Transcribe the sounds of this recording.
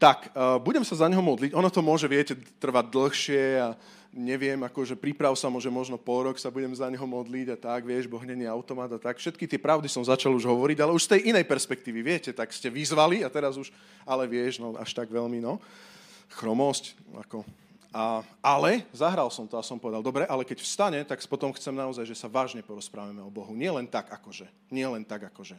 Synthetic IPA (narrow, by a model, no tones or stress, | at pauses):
t̪akːbuɟɛmsazaɲɦɔmɔd̪liɟɔnɔt̪ɔmʊɔʒɛʋɪɛcɛt̪r̩ʋaɟ̚d̪l̩xʃɪɛa | ɲɛʋɪɛmakɔʒɛpɾiːpɾaʊsamɔʒɛmɔʒnɔpɔɾɔksabuɟɛmzaɲɦɔmɔd̪liɟat̪aɡʋɪɛʒbɔɦɲɛɲɪɛaʊt̪ɔmad̪at̪akfʃɛt̪kit̪ɪɛpɾaʊd̪isɔmzat͡ʃaluʒɦɔʋɔɾiɟalɛuʃst̪ɛjʔinɛjpɛɾspɛk̚t̪iːʋiʋɪɛcɛt̪akscɛʋizʋaliat̪ɛɾazuʃ | alɛʋɪɛʒnɔʔa̰ʃt̪aɡʋɛʎminɔ | xɾɔmɔsca̰kɔ | aalɛzaɦɾalsɔmt̪ɔasɔmpɔʋɛd̪alˠd̪ɔbɾɛʔalɛkɛcfst̪aɲɛt̪akpɔt̪ɔmxt͡sɛmnaɔzajʒɛsaʋaːʒɲɛpɔɾɔspɾaːʋamɛɔbɔɦuɲɪɛlɛnt̪aɡakɔʒɛ | ɲɪɛlɛnt̪aɡakɔʒɛ